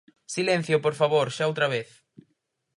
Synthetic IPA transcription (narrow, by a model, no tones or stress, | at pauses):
silẽn̟θjʊpoɾfaβoɾʃaowt̪ɾɐβeθ